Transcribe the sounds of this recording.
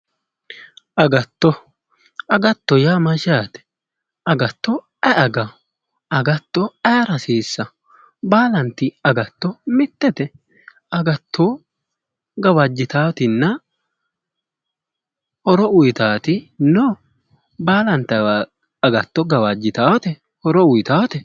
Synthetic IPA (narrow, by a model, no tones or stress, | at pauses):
ʔɐɡɐt̪ːɔ | ɐɡɐt̪ːɔjaːmɐʃaːt̪ɛ̥ | ʔɐɡɐt̪ːɔ | ɛʔɐɡɐ | ɐɡɐt̪ːɔɛɾɐsiːsːɐ | baːlɐnt̪ɪɐɡɐt̪ːɔmɪt̪ːɛt̪ɛ | ɐɡɐt̪ʰːoː | ɡɐwɐd͡ʒːɪt̪aːwt̪ɪnːɐ | hɔɾɔʊjt̪aːt̪ɪnɔ | baːlɐnt̪ɐ | ɐɡɐt̪ːɔɡɐwad͡ʒːɪt̪aːwt̪ɛ | ɔɾɔʊjt̪aːwt̪ɛ